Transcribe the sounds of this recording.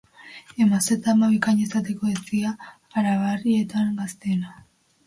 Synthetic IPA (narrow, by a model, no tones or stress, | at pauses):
e̞maset̪amaβikaɲesat̪e̞ko̞et͡siaː | ɾaβarie̞t̪amɡast̪ena